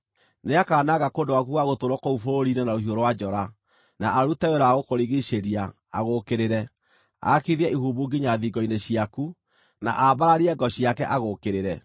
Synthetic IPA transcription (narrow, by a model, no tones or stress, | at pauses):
neakaːnaɣakondowakuɣaɣotoɾwɔkoufoɾoɾinɛnaoɦioɾowad͡ʒɔɾa | naʔːɾutɛwɛɾaɣokoɾiɣiɕeɾia | aɣokeɾeɾɛ | a̰kiðiɛʔihuːbuɡiɲaðiɡɔineɕiaku | na̰ʔabaɾaɾiɛɡɔɕijakɛʔaɣoːkeɾeɾɛ